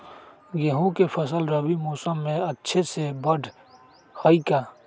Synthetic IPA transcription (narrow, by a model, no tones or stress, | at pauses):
jeɦõkepʰɐsəlɾɐbimoːsəmːẽɐtːʃʰesebɐɖʱ | haikaː